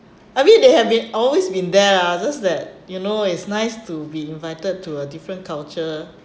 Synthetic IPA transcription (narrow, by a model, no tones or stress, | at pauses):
ajfĩndehɛvbĩnɔlwesbĩndɛad͡ʒasdɛt̚junoɪtsnaɪstubiĩnvaɪtəd̚tːuədifɹə̃nkʰalt͡ʃə